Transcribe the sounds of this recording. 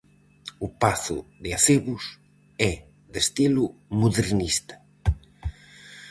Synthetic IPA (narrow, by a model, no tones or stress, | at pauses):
upaθʊ̰ðeaθeβʊs | ɛ | ðest̪ilumuðeɾnist̪ḁ